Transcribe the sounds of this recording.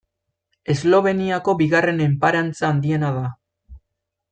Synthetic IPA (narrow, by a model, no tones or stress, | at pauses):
e̞zlo̞β̞e̞niako̞biɣare̞ne̞mpaɾant͡saːnd̪ie̞naða